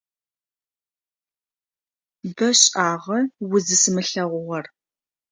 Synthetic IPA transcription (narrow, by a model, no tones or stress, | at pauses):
bɐɕʼaːʁɐwʊzɨsɨmɨɬɐʁʷʊʁɐr